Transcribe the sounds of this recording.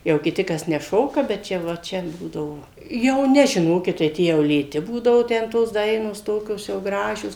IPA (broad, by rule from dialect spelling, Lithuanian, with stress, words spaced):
jɛʊ kʲɪˈtʲɪ ˈkɐs nʲɛˈʃoːkɐ bʲɛt ˈt͡ʃʲɛ ʋɐ ˈt͡ʃʲɛ ˈbuːdɐʋoː jɛʊ ˈnʲɛ ʒʲɪˈnoːkʲɪt tɐɪ ˈtʲiɛ jɛʊ lʲeːˈtʲɪ ˈbuːdɐʋʊ ˈtʲɛn toːs ˈdɐɪnoːs ˈtoːkʲoːs jɛʊ ˈɡrɑːʒʲoːs